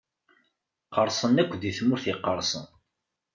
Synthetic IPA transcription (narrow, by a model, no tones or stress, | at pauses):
qəɾˤsˤənækʷːðiθmʊɾθiqːəɾˤsˤə̰n